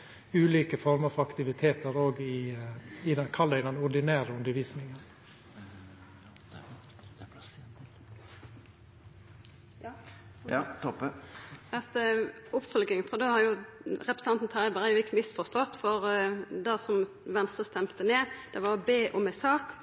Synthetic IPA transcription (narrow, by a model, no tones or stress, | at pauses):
ʉːliːkəfɔɾməɾfɔɾɑkt̪ɪʋɪt̪ʰeːt̪əɾoːɡɪ | ɪd̪ɛnkʰɑlːəɪd̪ɛnʊd̪ɪnæːɾəʉnd̪əɾʋiːsnɪŋən | t̪ɔpːəɑt̪ʊpfœlɡɪŋfɔɾd̪oːhɑɾjʊɾɛpɾsɑnt̪n̩t̪ʰɪbəɾhɑɾjʊɪkːəmɪsfɔʁst̪ɔt̪ːfɔɾd̪æsɔm | ʋɛnst̪ʁəst̪ɛmt̪əneːd̪̥ɛʋɑɾɔbeːʔɔmɛsɑːk